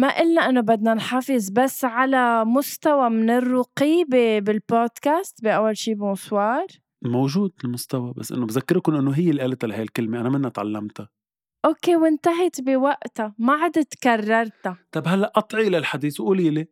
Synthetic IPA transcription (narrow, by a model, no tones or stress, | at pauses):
maʔɪlnaʔɪnːobad̪nanħɑfɪzˤbasːʕalamʊst̪awamɪnɪrːʊqiːbebɪlboːd̪̥kaːst̪bɪʔawːalʃiːbʊswɑːɾˤ | mowʒuːd̪ɪlmʊst̪awaba̰sːʔɪ̰nːobzakːɪɾkʊnʔɪnːoɦɪjːelʔaːlt̪alhajlkɪlmeʔanamɪnːaʔt̪ʕa̰lːamt̪a | ʔoːkewɪnt̪aɦɪt̪bɪwaʔt̪amaʕad̪ɪt̪karˤːɑɾˤt̪at̪ˤɑbhalːaʔɑt̪ˤʕilalħad̪iːθwʔuːljle